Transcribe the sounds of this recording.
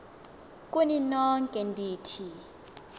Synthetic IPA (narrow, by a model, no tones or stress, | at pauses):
kʼuninɔŋkʼɛndʱiːtʰi